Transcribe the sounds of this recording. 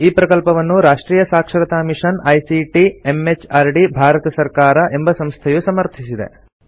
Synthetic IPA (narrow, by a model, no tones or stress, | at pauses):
iːpɾɐkɐlpɐʋɐnːuɾaːʂʈɾiːjɐsaːkʂɐɾɐt̪aːmiʂɐnɐjsiʈiemet͡ʃaːɾɖibʱaːɾɐt̪ɐsɐɾkaːɾɐʔe̞mbɐsɐmst̪ʰɐjusɐmɐɾt̪ʰisid̪e̞̰